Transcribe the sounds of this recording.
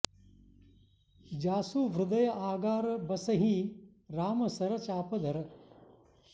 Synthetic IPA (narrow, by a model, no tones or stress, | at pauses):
d͡ʒaːsuːʋɾʊd̪ɐjɐʔaːɡaːɾɐbɐsɐɦi | ɾaːmɐsɐɾɐt͡ʃaːpɐd̪ʱɐɾɐ